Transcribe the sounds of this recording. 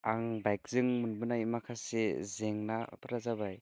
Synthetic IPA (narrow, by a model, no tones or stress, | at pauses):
aŋbajk̚z̥ɯŋmɯnbɯnaimakʰasezeŋna̰pɯɾazabaj